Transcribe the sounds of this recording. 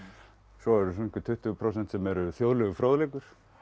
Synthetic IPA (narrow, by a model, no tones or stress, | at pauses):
sɔɛɾʏs̬ɔnihcʏt̪ʰʏht̪ʏpʰɾoːsɛn̥t̪sɛmɛɾʏθjoːwðlʏɣʏfɾoːwðlekʏɾ̥